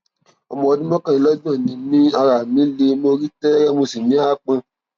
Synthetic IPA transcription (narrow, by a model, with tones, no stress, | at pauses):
ɔ̰˧mɔ̃˧ɔ˧nĩ˦mɔ̃˦kã˦i˧lɔ˦dɔ̃˦˨nĩ˨˦nĩ˦a˧ɾa˨mĩ˨˦le˧mo˧ɾi˦tɛ˦ɾɛ˦mo˧si˨mĩ˨˦a˦˨k͡pã˧